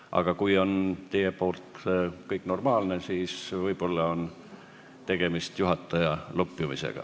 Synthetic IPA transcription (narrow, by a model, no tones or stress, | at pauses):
ʔɑ̰ɡ̥ɑkujo̞nt̪e̞je̞po̞ːlt̪kɤjkːˑno̞rmɑːlne̞siːsvɤjpo̞lːɑo̞n | t̪e̞ɡ̥e̞mist̪juɦɑt̪ːˑɑjɑlopːjumisḛɡ̥ɑ̰